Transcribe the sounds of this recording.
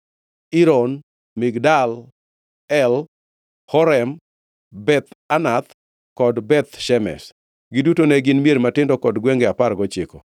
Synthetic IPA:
iɾɔn | mɪɡdal | ɛl | hɔɾɛm | bɛt̪anat̪ | kɔdbɛt̪ʃɛmɛ̰s | ɡɪdutonɛɡɪnmijeɾmatɪndɔkɔdɡwɛŋɡɛaparɡɔt͡ʃɪkɔ

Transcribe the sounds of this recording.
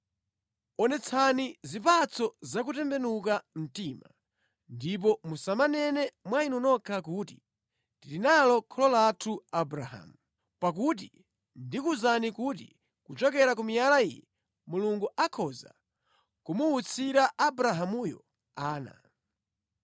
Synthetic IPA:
ɔnɛt͡sʰanizipat͡sʰɔzak̬utɛmbɛnuk̬am̩tima | ndip̬ɔmusamanɛnɛmwainɔnɔkʰakuːti | tilinalɔkʰɔlɔlatʰuabɾaɦa̰muu | pak̬ut̬i | ndikuzanikuti | kut͡ʃɔkɛɾak̬umijalaḭjɛ | muluŋɡuʔakʰɔza̰ | kumuut͡sʰiɾaʔːbɾaɦamujɔ̰ | aːna̰

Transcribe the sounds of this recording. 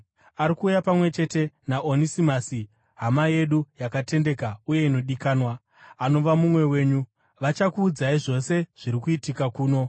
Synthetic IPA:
aɾikuːjapamwe̞t͡ʃe̞te̞naʔonisimasi | ɦamaje̞ɗujakate̞nde̞kauje̞ino̞ɗikaːnwa | ano̞ʋamumwe̞we̞ːɲu | ʋat͡ʃakuːd͡zaiʐo̞se̞ʐ̥iɾikuitikakuːno̞

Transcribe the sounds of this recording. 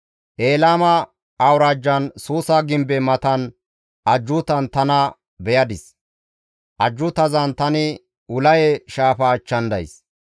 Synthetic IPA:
ʔe̞ːlaːmɐː | wɾaːd͡ʒːɐnsuːsaɡɪmbɛmɐt̪ɐn | ʔɐd͡ʒːʊt̪ɐnt̪ɐnɐ | bɛjɐd̪ɪs | ʔɐd͡ʒːʊt̪ɐzɐnt̪ɐnɪ | ʊlɐjɛʃaːfɐt͡ʃːɐnd̪ɐ̰js

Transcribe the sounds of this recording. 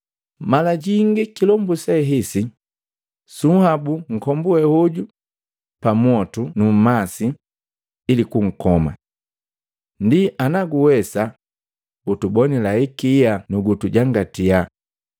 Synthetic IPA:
malaɟiŋɡikilɔmbusɛɦisi | suhabuŋ̩kɔmbuɛhuɟu | pamwɔtunum̩masi | ilikuŋ̩kɔma̰ | ndiʔanaɡuwɛsa | utubɔnilaikianuɡutuɟaŋɡatia

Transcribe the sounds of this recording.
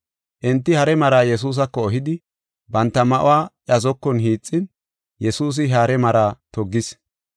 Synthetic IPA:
ʔɪnt̪ːɪhɐɾɛmɐɾaːjɛs̬uːs̬ɐkːɔːɦɪd̪ɪ | bɐnt̪ːɐmɐʔʊ̰waːʔjɐzɔkːɔnɦiːt͡sʼːɪn | jɛsuːs̬ɪɦaːɾɛmɐɾaːt̪ɔɡːɪs

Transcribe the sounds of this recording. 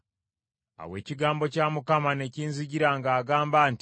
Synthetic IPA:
a̰we̞̰ːciɡaːmbo̞caːmukamane̞ciːnziɟiɾaŋɡaːɡaːmbaːnt

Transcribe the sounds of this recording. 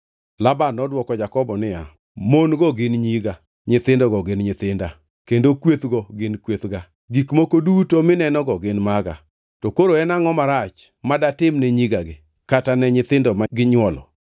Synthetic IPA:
labanɔdwɔkɔd͡ʒakɔbɔnɪja | monɡɔɡɪnɲiɡa | ɲɪt̪ɪndɔɡɔɡɪnɲɪt̪ɪnda | kendokwet̪ɡɔɡɪnkwet̪ɡa | ɡikmokodutomɪnɛnɔɡɔɡɪnmaɡa̰ | tɔkoɾoɛnaŋɔmaɾat͡ʃ | madatɪmnɛɲiɡaɡɪ | katanɛɲɪt̪ɪndɔmaɡɪɲwɔlɔ̰

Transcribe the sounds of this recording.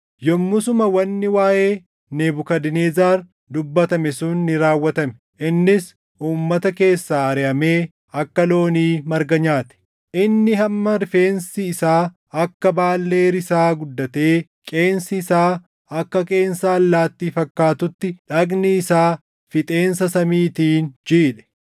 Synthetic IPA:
jɔmːʊsʊmɐwɐnːɪwaːʔe̞ː | neːbʊkɐd̪ɪneːzaːɾ | d̪ʊbːɐt̪ɐmɛsʊnːɪɾaːwːɐt̪ɐmɛ̥ | ʔɪnːɪs | ʔuːmːɐt̪ɐke̞ːsːaːɐɾɛʔɐme̞ː | ɐkːɐlo̞ːniːmɐɾɡɐɲaːt̪ɛ̥ | ʔɪnːɪɦɐmːɐɾɪfe̞ːnsɪːsaː | ɐkːɐbaːlːe̞ːɾɪsaːɡʊd̪ːɐt̪e̞ː | kʼe̞ːnsɪːsaː | ɐkːɐkʼe̞ːnsaːlːaːt̪ːiːfɐkːaːt̪ʊt̪ːɪᶑɐɡnɪɪsaː | fɪt̪ʼe̞ːnsɐsɐmiːt̪iːnd͡ʒiːᶑɛ̥

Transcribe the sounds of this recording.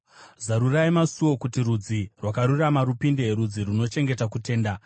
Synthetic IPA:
zaɾuraimasuwo̞kutirud͡zirwakaɾuramaɾupinde̞rud͡ziruno̞t͡ʃe̞ŋɡe̞takute̞ːnda

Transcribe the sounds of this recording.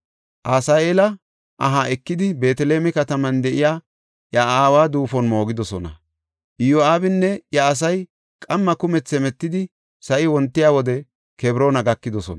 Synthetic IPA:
ʔaːsaːeːlɐ | ʔɐɦaːɛkːɪd̪ɪbe̞ːt̪ɛle̞ːmɛkɐt̪ɐmɐnd̪ɛʔɪjaː | ʔjɐaːwaːd̪uːfɔnmo̞ːɡɪd̪ɔsɔnɐ̰ | ʔɪjoaːbɪnːɛjɐːs̬ɐj | kʼɐmːɐkʊmɛt͡sːɛmɛt̪ːɪd̪ɪ | sɐʔɪwɔnt̪ːɪjaːwɔd̪ɛ | kɛbɾo̞ːnɐɡɐkːɪd̪ɔsɔ̰nɐ

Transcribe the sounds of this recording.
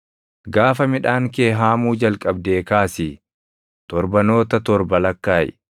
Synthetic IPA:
ɡaːfɐmɪᶑaːŋke̞ːɦaːmuːd͡ʒɐlkʼɐbd̪e̞ːkaːsi | t̪ɔɾbɐno̞ːt̪ɐt̪ɔɾbɐlɐkːaːʔ

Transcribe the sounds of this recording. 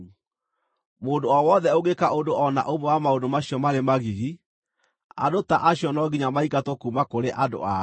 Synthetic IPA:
modoɔwɔðɛoɣekaʔodoʔɔna̰ʔomɛwamaodomaɕjɔmaɾemaɣiɣi | a̰dotaʔaɕijɔnɔɡiɲamaikatokumakoɾeʔado̰a

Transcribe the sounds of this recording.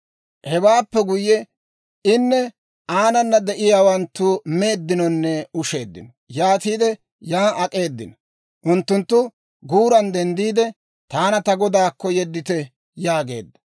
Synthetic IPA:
hɛbaːpːɛɡʊjːɛ | ɪnːɛ | aːnɐnːɐd̪ɛʔɪjaːwɐnt̪ːume̞ːd̪ːɪnɔnːɛʊʃe̞̰ːd̪ːɪ̰nɔ | jaːt̪iːd̪ɛ | jaːɐkʼe̞ːd̪ːɪnɔ | ʔʊnt̪ːʊnt̪ːʊ | ɡuːɾɐnd̪ɛnd̪iːd̪ɛ | t̪aːnɐt̪ɐɡɔd̪aːkːɔjɛd̪ːɪt̪ɛ | jaːɡe̞̰ːd̪ːɐ

